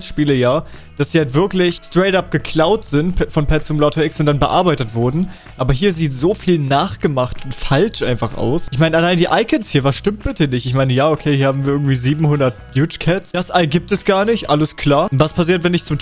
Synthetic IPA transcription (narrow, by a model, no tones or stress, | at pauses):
sʃpiːləjaː | d̥asd̥iːhaltv̥ɪɐklɪçstʁ̥ɛɪtap̚ɡ̥əkʰl̥aʊtz̥ɪntpʰɛfɔnpʰɛt͡sʊmlɔtʰɐɪksʊntd̥anbəʔa̰ɐbaɪtətv̥ʊɐdn̩ | ʔaːbɐɦiːɐziːtz̥oːfiːlnaːχɡ̥əmaχtʊntfalt͡ʃʔaɪnfaχʔa̰ʊsʔɪçmaɪnənalaɪndiːʔaɪkʰənshiːɐvasʃtɪmt̚b̥ɪtənɪçtɪçmaɪnəjaːokʰeːhiːɐhaːbm̩viːɐɪɡŋ̩tv̥iːziːbm̩hʊndɐt̚bjuːt͡ʃkʰɛtsd̥asʔalɡiːp̚tɛsɡ̥aːɐnɪçtʔaləskʰl̥aːɐv̥aspʰas̬iːɐtvɛnɪçt͡sʊm